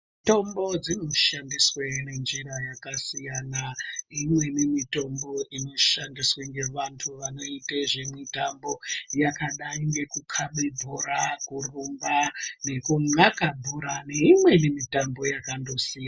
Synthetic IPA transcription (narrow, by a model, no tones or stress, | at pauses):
to̞mbo̞d͡zino̞ʃandiswene̞nd͡ʒiɾajakasijanaimwe̞nemito̞mbo̞ʔino̞ʃandisweŋɡe̞ʋantʰuʋano̞iteʐemwitambo̞jakaɗaiŋɡe̞kukʰaɓibʱuɾakurumbane̞kuŋ͡ǀakabʱuɾaneimwe̞nemitambo̞jakando̞sijana